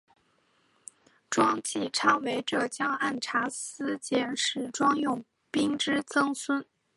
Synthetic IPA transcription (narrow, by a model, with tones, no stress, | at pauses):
ʈ͡ʂwɑ˥ŋt͡ɕi˥˩ʈ͡ʂʰɑ˥˩ŋwe˧˥ɪʈ͡ʂɤ˥˩t͡ɕjɑ˥ŋa˥˩nʈ͡ʂʰa˧˥sɹ̩˥t͡ɕjɛ˥˩nʂɻ̩˨˩ʈ͡ʂwɑ˥ŋjʊ˥˩ŋ | pi˥ŋʈ͡ʂɻ̩˥t͡sɤ˥ŋswə˥n